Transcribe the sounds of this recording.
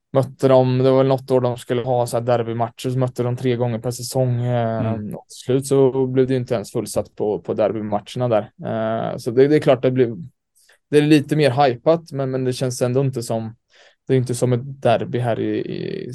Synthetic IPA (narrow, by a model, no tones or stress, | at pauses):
mœt̪ːəd̪ɔmd̪ɛvaɾvɛlnɔt̪ːoːɖɔmskɵlːəɦɑːsɔæːd̪æɾbɪmaʈ̪ʂəʂɔmœt̪ːəd̪ɔmt̪ʰɾeːɡɔŋːəɾpʰæʂɛsɔŋː | ɔ̰t̪ʰɪ̥slʉ̟ːt̪sɔblɪvd̪ɛjʏnt̪əɛnsfɵlːsat̪ːpʰɔpʰɔd̪æɾbɪmatʂəɳad̪æːɾ̰ | sɔd̪ɛd̪ɛːkʰlɑːʈ̚d̪ɛblɪv | d̪̥ɛæliːt̪əmeːɾɦajpat̪mɛnmɛnd̪ɛɕɛnsɛnd̪ɔɪnt̪əsɔm | d̪̥ɛːɾjɪnt̪ːəsɔmːɛt̪d̪æɾbɪɦæːɾɪ̰ɪ̰